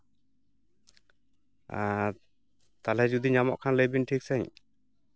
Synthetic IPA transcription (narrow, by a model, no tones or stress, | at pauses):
a | t̪alɛd͡ʒud̪iɲamɔʔkʰanləjbinʈʰik̚sɛɲ